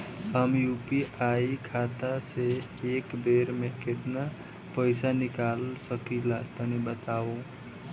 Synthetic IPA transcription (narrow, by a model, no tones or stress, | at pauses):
ɦəmjupiʔaikʰat̪ase | ekbeɾmeket̪na | pəɪsanɪkalsəkilat̪ənibət̪ao